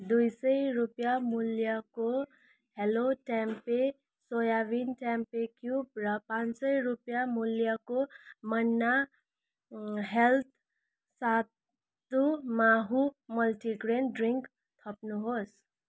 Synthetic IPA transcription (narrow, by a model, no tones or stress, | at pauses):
d̪ujsəjɾupjamuljako | heloʈɛmpe | sojaʋinʈɛmpekjub̚ɾʌpãːnsəiɾupjamuljakomənːa | ɦelt̪ʰ | sat̪ː | umaɦuməlʈiɡɾenɖɾiŋk | t̪ʰʌpnuɦos